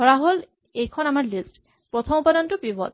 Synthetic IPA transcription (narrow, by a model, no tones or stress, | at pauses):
ɔɹaɦol | ejkʰɔnamaɹlisʈ | pɹɔt̪ʰɔmupadɔntupibɔ̰t̪